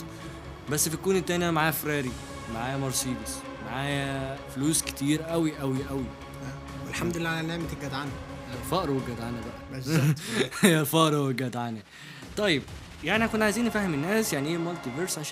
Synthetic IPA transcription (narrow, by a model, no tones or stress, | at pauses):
bæsːfikuːnet̪ːænjæmaʕaːjæfɾæːɾi | maʕaːjæmɑɾˤsiːbes | maʕaːjæfluːske̥t̪iːɾʔæwiʔæwiʔæwi | welħamd̪lelːʕlænːeʕmt̪eɡæd̪ʕanhæjælfɑʔɾˤwæɡæd̪ʕanæbæʔæez | jælfɑʔɾˤweɡæd̪ʕanæ | t̪ˤɑjːeb̚ | jaʕnihækonːʕajziːnːefæhemenːæːsjaʕniʔemolt̪iveɾsʕaʃ